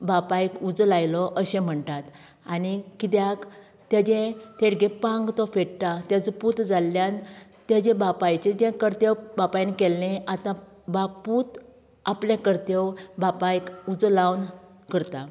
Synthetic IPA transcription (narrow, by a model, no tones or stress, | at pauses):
bapajkud͡zlajlɔʔəɕɛ̃m̤əɳt̪at̪ | anikit̪̬jak | t̪jad͡ʑẽt̪ʰeɽɡepãŋɡt̪ɔfeɽʈ̪at̪jad͡zɔput̪d͡zalːjant̪jad͡ʑɛ̃bapajt͡ɕẽd͡ʑɛ̃kəɾt̪ewbapajnkɛlːẽat̪ã | baput̪ | aplẽkəɾt̪ewbapajkud͡zlawn | kəɾt̪a